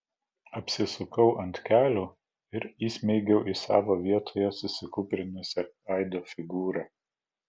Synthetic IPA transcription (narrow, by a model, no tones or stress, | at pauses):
ɐpʲsʲɪsʊkɐʊʔɐnʲt̪ʲkʲæːlʲuː | ɪɾiːsʲmʲɛɪɡʲɛʊʔisɑ̰ːʋoːʋʲiɛt̪ʰoːjɛsʊsʲɪkʊːpʲɾʲɪnʲʊsʲɛ | ɐˑɪd̪oːfʲɪɡuːɾɑ